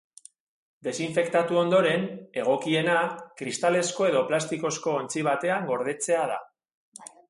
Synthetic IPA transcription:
d̪e̞siɱfe̞kt̪at̪uo̞nd̪o̞ɾe̞ne̞ɣ̞o̞kie̞nakɾist̪ale̞sko̞e̞ðo̞plast̪iko̞sko̞ːnt͡siβ̞at̪e̞aŋɡo̞ɾð̞e̞t͡se̞að̞a̰

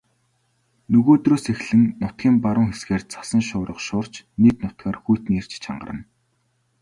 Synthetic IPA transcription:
nɵɣoːt̪roːsexɮɘ̆nːʊt̪̚ɡʲiːmpaɾʊːŋxesɡeːrt͡sʰḁsə̆nʃʊːɾə̆qʃʊːr̥t͡ɕnet̪nʊt̪̚ɡaːrxujʰt̪nir̥t͡ɕt͡ɕʰa̰ɴɢə̆rə̆n

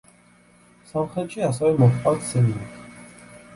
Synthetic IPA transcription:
samχɾɛt̪ʃiasɛvɛmɔχtʼwat̪sɛninikʰ

